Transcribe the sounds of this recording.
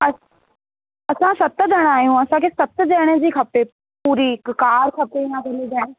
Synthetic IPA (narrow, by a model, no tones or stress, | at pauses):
ə | ɐsãsɐt̪d̪ɛɽ̃aːjũːɐsãkesət̪d̪ɛːɽ̃ed͡ʒiːkʰɐpeː | puːɾiːkkaːɾkʰɐpeɪnãkʰelid͡ʒɛːɽ̃e